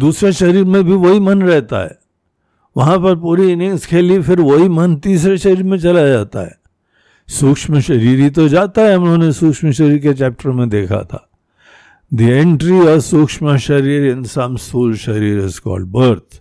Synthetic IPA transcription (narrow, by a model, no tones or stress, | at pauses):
d̪uːsɾaʃɐɾiːɾmẽbʱiʋoɦimənɾɛɦt̪a̰ɦɛ̰ | ʋɐɦãpɐɾpuːɾiɪnɪ̃ŋskʰeːlifɪɾʋoɦimənt̪iːs̬ɾeʃɐɾiːɾmẽt͡ʃɐlad͡ʒaːt̪a̰ɦɛ̰ | suːkʂməʃɐɾiːɾit̪̬od͡ʒaːt̪aɦɛɦɐmnõnesuːkʂməʃəɾiːɾket͡ʃɛːp̚ʈəɾmẽd̪eːkʰa̰t̪ʰa̰ | d̪iẽɳʈɾiɔːʋsukʂməʃɐɾiːɾɪnsãnsuːlʃɐɾiːɾɪ̰zkɔ̰ːlɖ̚bəɾt̪ʰ